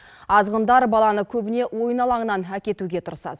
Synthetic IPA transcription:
ɑzʁənd̪ɑɾbɑlˠɑnəkʲʰɵbɪne̞wo̞jənɑlˠɑɴənɑnækʲe̞t̪uɡʲe̞t̪ʰʊɾəsɑ̰d̪ə

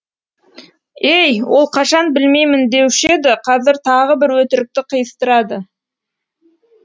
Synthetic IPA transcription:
ejwo̞lˠqʰɑʃɑnbɪlme̞jmɪnd̪e̞wʃe̞d̪ɪqʰɑzɪɾt̪ʰɑʁəbɪɾwɵt̪ɪɾɪk̚t̪ɪqʰəjəst̪əɾɑd̪ə

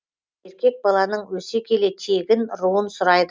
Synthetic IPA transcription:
e̞ɾkʲe̞k̚bɑlˠɑnəɴwɵsekʲʰe̞le̞t̪ʰe̞ɡʲɪnɾuənsʊɾɑjd̪ə

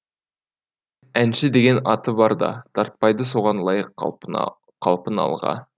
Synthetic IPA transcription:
ænʃɪd̪eɡʲe̞nɑt̪əbɑɾd̪ɑ̰t̪ʰɑɾt̪̚pɑjd̪əso̞ʁɑnlˠɑjəqʰː | ɑlˠpənɑ̰lˠʁɑ̰

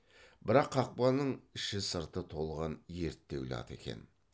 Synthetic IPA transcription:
bɪɾɑqʰːɑq̚pɑnəɴɪʃɪsəɾt̪ət̪ʰo̞lˠʁɑnje̞ɾt̪ːe̞wlɪ̰ɑ̰t̪e̞kʲe̞̰n

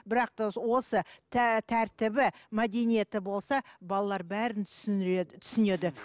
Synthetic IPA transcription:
bɪɾɑq̚t̪ɑwo̞sətt̪ʰæɾt̪ɪbɪmæd̪e̞nije̞t̪ɪbo̞lˠsɑbɑlˠɑlˠɑɾbæɾɪn | t̪ʰʏ̥sɪne̞d̪ɪ

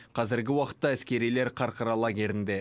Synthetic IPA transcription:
qʰɑzɪɾɡʲɪwɑqə̥t̪ːɑæskʲe̞ɾijle̞ɾqʰɑɾqəɾɑlˠɑɡʲe̞ɾɪnd̪e̞

